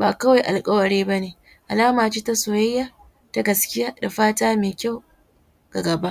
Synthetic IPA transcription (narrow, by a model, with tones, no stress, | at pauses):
baː˨kɐ˦wa˨jʔa˨lkʼɐ˦wɐ˨ɾeː˦ba˦neː˨ | ʔa˨laː˦maː˨t͡ʃiː˦ta˦soː˨jɐ˦jːaː˦ | ta˦ɡɐ˨skʲɪ˦jaː˦da˨ɸaː˦taː˦meː˨kʲa˦˨w | ɡ̥a˨ɡɐ˨ba˦